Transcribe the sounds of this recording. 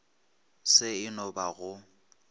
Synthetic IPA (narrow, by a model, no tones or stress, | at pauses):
sɪɪnɔbaɣʊ